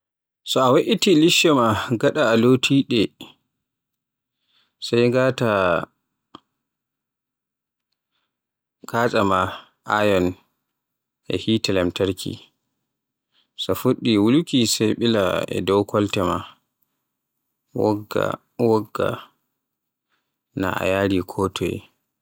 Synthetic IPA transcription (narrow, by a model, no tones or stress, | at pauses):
sɔawaʔitiliʃɔmaɡaɗaːlotʰiːɗɛ | sajŋɡaːta | kʰaːt͡ʃʼama | ʔa̰jɔn | ʔɛ̰hiːtɛlɛmtaɾkʰḭ | safuɗːiwulukisajɓilaɛ̰dɔwkʰɔltɛma | ɡa̰ | wɔɡːa̰ | na̰ʔa̰jaːɾikʰɔːtʰɔɛ̰